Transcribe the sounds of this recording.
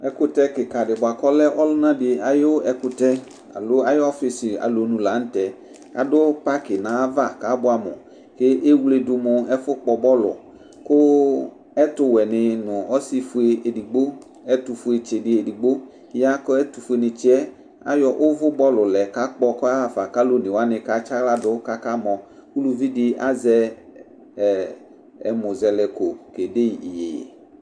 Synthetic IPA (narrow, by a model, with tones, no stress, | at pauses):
ɛ˦kʊ˦tɛ˦kɪ˨ka˨dɪ˨bʊ˨a˨kɔ˦lɛ˦ʔɔ˦lʊ˦nã˦dɪ˨a˨jʊ˦ɛ˨kʊ˨tɛ˦ | a̰˨lʊ˦a˦jɔ˦fɪ˨sɪ˨a̰˨lo˨nũ˨la˨˦n̩˦tɛ˨ | a̰˨dʊ˦pa˦kɪ˨nãː˨˦va˦˨ka˨˦bʊ˦a˨mʊ̰̃˨ | kɪ˦ʔe˦wle˦dʊ˨mʊ̃˨ɛ˦fʊ˦k͡pɔ˨bɔ˦lʊ̰˨ | kʊ˦ | ɛ˦tʊ˦wɛ˨nɪ˨nʊ̃˨ɔ˦si˦fʊ˨e˨e˨di˨ɡ͡bo˦ | ɛ˦t̪u˨fʊ˦e˨t͡ʃe˨dɪ˨e˨di˨ɡ͡bo˦ | ja˦kɔ˦ɛ˦t̪u˨fʊ˦e˨nɪ˨t͡ʃɪ˦ɛ˦ | a̰˦jɔ˨ʔʊ˦vʊ˦bɔ˦lʊ˨lɛ˨ka˦k͡pɔ˧kɔ˦a˦a˨fa˨ka˦lo˦nɪ̃˨wa˦nɪ˨ka˦t͡ʃa˦ɣla˦dʊ˦ka˦ka˦mɔ̃˨ku˦lu˨vi˦dɪ˦ʔa˦zɛ˦˨ | ɛ˨mʊ˨zɛ˨lɛ˨ko˨ke˨de˦ji˨i˨je˨jḛ˨